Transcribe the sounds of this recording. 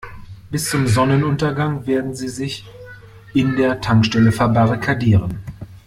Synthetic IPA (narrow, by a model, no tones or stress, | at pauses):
b̥ɪst͡sʊmzɔnənʊntɐɡaŋveːɐdn̩ziːzɪç | ʔɪndeːɐtʰaŋkʃtɛləfɛɐbaʁikʰadiːʁən